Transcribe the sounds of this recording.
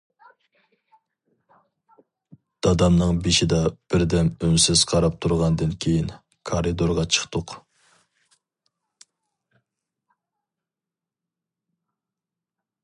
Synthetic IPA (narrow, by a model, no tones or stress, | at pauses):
d̪̥ɑd̪ɑmnɨŋbeʃɪd̪ɑb̥ɪɾd̪ɛmønsɪz̥qʰɑɾɑp̚t̪ʰuɾʁɑnd̪ɨnkʲʰejin | kʰɑɾɨd̪oɾʁɑt͡ʃʰə̥χt̪ʰʊq